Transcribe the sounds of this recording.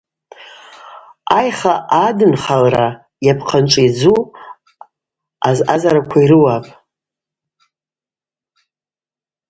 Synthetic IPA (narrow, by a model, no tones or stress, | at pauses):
ajχaʔadɨnχalra | japʰqʰanʈ͡ʂʼid͡zu | azazaɾakʷʰaiɾɨwapʼ